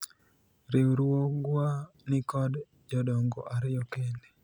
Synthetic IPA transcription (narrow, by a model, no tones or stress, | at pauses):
ɾewɾwoɡwa | nɪkɔd | d͡ʒɔdɔŋɡɔ̰ʔaɾɪjɔkende